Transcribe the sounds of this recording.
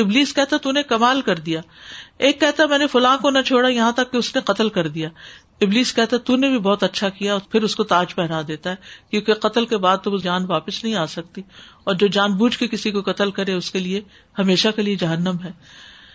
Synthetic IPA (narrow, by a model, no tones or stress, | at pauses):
ɪbliːskɛɦt̪aɦɛt̪unekɐmaːlkɐɾd̪ijaːeːkːɛɦt̪aɦɛmɛ̃ːnefʊlãːkonɐt͡ʃʰoːɽajɐɦãt̪ɐkːeʊsneqɐt̪əlkɐɾd̪ijaː | ɪbliːskɛɦt̪aɦɛt̪unebʱibɔːt̪ɐtːʃʰakijaɔːɾpʰɪɾʊskot̪aːd͡ʒpɛɦnad̪eːt̪aɦɛkjõːkeqɐt̪əlkebaːd̪̚t̪od͡ʒaːnʋaːpɪsnɐɦĩaːsɐk̚t̪iɔːɾd͡ʒoːd͡ʒaːnbuːd͡ʒkekɪsikoqɐt̪əlkɐɾeʊskelie | hɐmeːʃakelied͡ʒɐɦənːəmɦɛː